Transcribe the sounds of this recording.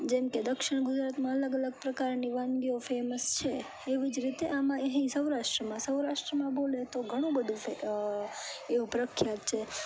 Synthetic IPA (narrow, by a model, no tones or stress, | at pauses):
d͡ʒɛmked̪əkʃɪɳ̃ɡud͡ʒɾat̪mãələɡələɡpɾəkaɾniʋãnɡiofeməst͡ʃʰeː | ʋid͡ʒɾit̪eʔamãeɦĩsəwɾaʃʈɾəmãsəwɾaʃʈɾəmãbolet̪oɡʱəɽ̃ũbəd̪ʱũe | eʋũpɾəkʰːjat̪t͡ʃʰe